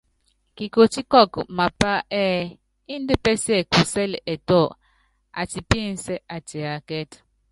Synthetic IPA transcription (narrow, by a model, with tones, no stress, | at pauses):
ki˨ko˨ti˦kɔ˦˨kma˨pa˦ʔɛ˦ | i˦n˦de˦pɛ˦sɛ˦˨ku˨sɛ˦lɛ˨tɔ˦˨ | a̰˨ti˨pi˦˨n˨sɛ˦a˨ti˨a˨kɛ˦t